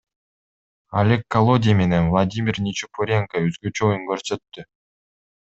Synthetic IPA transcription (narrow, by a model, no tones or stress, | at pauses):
a̰lʲe̞kːɐlˠo̞dʲijme̞nenvlˠad̪ʲimʲɪrnʲit͡ʃupuɾʲeŋkaøzɡøt͡ʃøojuŋkøɾsø̞t̪ːy